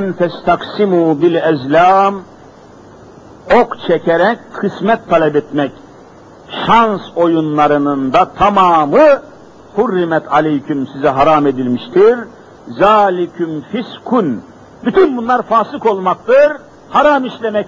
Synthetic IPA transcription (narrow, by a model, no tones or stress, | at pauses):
nt̪ɛst̪ʰaksimubilɛzlʲaːm | okt͡ʃʰɛcʰɛɾɛckʰɯsmɛt̪ʰːalʲɛbɛt̪mɛc | ʃanso̞junlˠaɾɯnɯnd̪at̪ʰamaːmɯ | hurːimɛt̪ʰalʲɛjkʰymsizɛɦaɾaːme̞d̪ilʲmiʃt̪ʰiɾ | zaːlʲikʰymfiskʰun | byt̪ʰynbunlˠaɾfaːsɯko̞lˠmak̚t̪ɯɾ | haɾamiʃlʲemɛ